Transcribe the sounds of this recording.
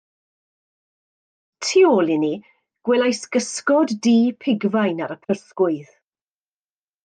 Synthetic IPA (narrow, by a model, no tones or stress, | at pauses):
tʰiɔlɪni | ɡ̥wɛlajsɡ̥əskɔdːiːpʰɪɡvajnaɾəpʰərθɡ̥ʊɨð